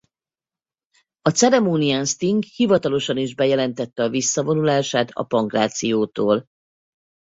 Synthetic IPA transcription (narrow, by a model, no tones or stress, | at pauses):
ɒt̪sɛɾɛmoːnianst̪iŋɡhivɒt̪ɒlo̞ʃɒniʒbɛjɛlɛnt̪ɛt̪ːɛɒvisːɒvo̞nulaːʃaːt̪ɒ̰pɒŋkraːt̪sijoːt̪oːl